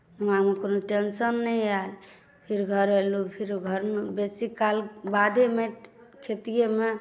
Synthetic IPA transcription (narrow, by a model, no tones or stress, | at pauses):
uɦãmekonoʈensənːɛjal | pʰiɾɡʱəɾɦelupʰiɾɡʱəɾmebesikalbad̪emekʰet̪ijeme